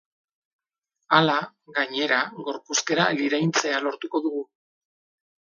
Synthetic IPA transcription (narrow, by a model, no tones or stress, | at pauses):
ala | ɣaɲe̞ɾaɣo̞ɾpuske̞ɾaliɾajnt͡se̞alo̞ɾt̪uko̞ðuɣu